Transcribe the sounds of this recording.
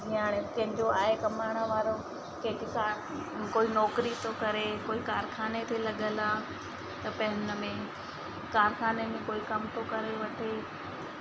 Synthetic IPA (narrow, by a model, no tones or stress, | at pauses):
iaːɽ̃ekɐ̃ɦɪ̃ɲd͡ʑoaːɦekɐmaːɽ̃əʋaːɾo | keːkkaːɾ | koːinɔːkɾit̪ʰokɐɾekoːikaːɾkʰaːnet̪ʰelɐɠəlaː | t̪ɐpɐ̃ɦɪnə̆mẽ | kaːɾxʰaːnemẽkoːikɐmt̪ʰokɐɾeʋɐʈʰeː